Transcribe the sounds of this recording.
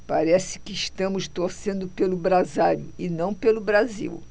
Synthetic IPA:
paɾɛsɪ̥kɪːʃt̪ɐ̃mʊst̪oɾsẽnd̪ʊpelʊbɾazaʎʊɪnɐ̃w̃pelʊbɾazḭw

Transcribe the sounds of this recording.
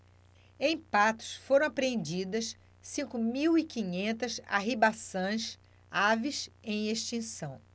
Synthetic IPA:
ẽj̃pat̪ʊ̥sfoɾɐ̃w̃apɾeẽnd͡ʒid̪ɐs | sĩkʊmiwikĩɲẽnt̪ɐsa̰ɦibasɐ̃j̃s | avisẽj̃eʃt͡ʃĩsɐ̃w̃

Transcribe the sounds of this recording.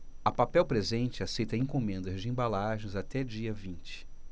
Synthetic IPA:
ɐpapɛwpɾezẽnt͡ʃɪasejt̪ɐẽkomẽnd̪ɐzd͡ʒɪẽbalaʒẽzat̪ɛd͡ʒiɐvĩnt͡ʃɪ̥

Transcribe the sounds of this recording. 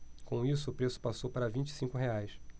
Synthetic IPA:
kõisʊːpɾesʊ̥pasowpaɾɐvĩnt͡ʃɪ̥sĩŋkʊɦeajs

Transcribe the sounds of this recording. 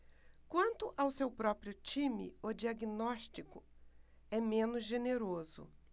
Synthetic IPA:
kwɐ̃nt̪ʊʔawsewpɾɔpɾiʊt͡ʃĩmɪ̰od͡ʒiaɡinɔʃt͡ʃikʊ | ɛmẽnʊzʒeneɾozʊ̰

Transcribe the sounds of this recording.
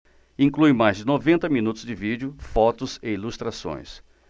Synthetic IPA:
ĩŋklujmajzd͡ʒɪnovẽnt̪ɐmĩnut̪ʊzd͡ʒɪvid͡ʒʊfɔt̪ʊzɪilust̪ɾasõ̰j̃s

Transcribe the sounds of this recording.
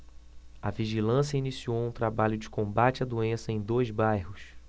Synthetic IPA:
ɐviʒilɐ̃sjɐinisiowũt̪ɾabaʎʊd͡ʒɪkõmbat͡ʃɪɐad̪uẽsɐẽj̃d̪ojzbajhʊs

